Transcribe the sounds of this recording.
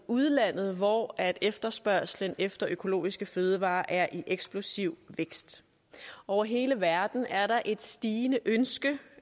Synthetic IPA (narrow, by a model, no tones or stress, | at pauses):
uð̞ˠlæn̰ð̞̩ˠʋɒæd̥efd̥ɐsb̥ɶɐ̰slənefd̥ɐʔøkʰo̝lo̝̰ːisɡ̥əføːð̞ˠəʋɑ̰̈ːʔæɐʔiʔeɡ̥sb̥lo̝siʊ̰ʋeɡ̥sd̥ | ɒʊ̰ɐɦe̝ːləʋæɐd̥n̩æɐɾɑ̈ʔe̝d̥sd̥iːnəʔønsɡ̥ə